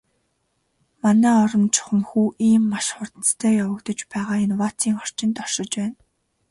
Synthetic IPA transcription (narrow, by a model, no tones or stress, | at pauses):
manæːɔɾɞ̆mt͡ɕʰʊ̥χə̆mxuːʔiːmːaʃχʊrt̪ə̆t͡st̪ʰœːjawə̆kt̪ə̆t͡ɕpæːʁaːɪnwat͡sʰiːŋɔr̥t͡ɕɪ̆nt̪ɔrʃɞ̆t͡ɕpæːn